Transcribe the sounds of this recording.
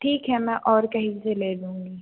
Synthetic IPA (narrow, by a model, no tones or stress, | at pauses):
ʈʰiːkɦɛmɛ̃ʔɔːɾkɐɦĩseleːd̪ũːŋɡiː